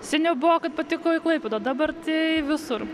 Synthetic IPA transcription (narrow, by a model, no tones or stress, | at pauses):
sʲɪnʲɛʊbʊʋoːkɐt̪̚pɐt̪ʲɪkoːɪklˠɐɪpʲɛd̪oːd̪ɐbɐrt̪ʲɪʋʲɪsʊr